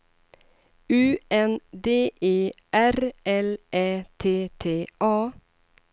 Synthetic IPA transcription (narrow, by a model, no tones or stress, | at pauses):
ʉːɛnd̪eːʔeːʔæɾʔɛleːt̪ʰeːt̪ʰeːʔɑː